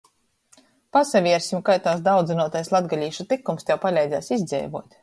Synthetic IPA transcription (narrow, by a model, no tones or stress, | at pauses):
pasavʲiɛɾsʲimkajt̪aːsd̪awd̪zinuɔt̪ajslˠad̪ɡalʲiːʃut̪ikumst̪ɛwpalʲɛjd̪zʲaːsizd̪zʲɛ̰jvṵɔt̪ʲ